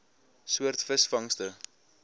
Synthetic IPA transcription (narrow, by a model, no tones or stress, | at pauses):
suərtfəsfɐŋstə